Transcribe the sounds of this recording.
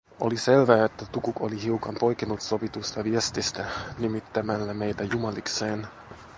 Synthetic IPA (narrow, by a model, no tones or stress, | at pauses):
o̞̰lise̞lʋæːet̪ːæt̪ukuko̞liɦiukɑmpo̞jkinut̪so̞ʋit̪ust̪ɑʋiest̪ist̪ænimit̪ːæmælːæme̞jt̪æjumɑlikse̞ːn